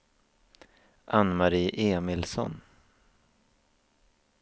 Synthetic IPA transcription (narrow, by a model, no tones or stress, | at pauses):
ʔanːmaɾiːʔeːmɪlsɔ̰n